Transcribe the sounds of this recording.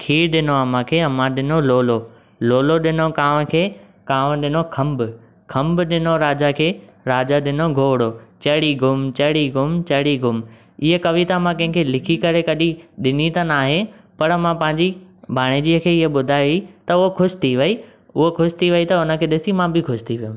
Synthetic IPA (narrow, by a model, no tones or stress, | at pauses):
kʰiːɾɗɪnoɐmãkʰeːɐmãɗɪnoloːlo | loːloɗɪnokaːʋkʰeː | kaːʋə̃ɗɪnokʰɐmbʊ | kʰɐ̃mbʊɗɪnoɾaːd͡ʑakʰeː | ɾaːd͡ʑaɗɪnoɡʱoːɽot͡ɕɐɽiɡʱʊmt͡ɕɐɽiɡʊmt͡ɕɐɽiɡʱʊm | ɪɦekɐʋit̪amãkɐ̃ɦɪ̃kʰeːlɪkʰikɐɾekɐɗiɗɪnit̪anaːɦepɐɾɐmãpɐ̃ɦɪ̃ɲd͡ʑibʱaːɽ̃ed͡ʑiəkʰeːɪɦeɓʊd̪ʱaːiʋit̪ɐʊɦokʰʊʃɪ̥t̪ʰiʋɐi | ʊɦokʰʊʃɪ̥t̪ʰiʋɐit̪ɐʊnə̆kʰeːɗɪsimãbɪkʰʊʃt̪ʰiʋijõ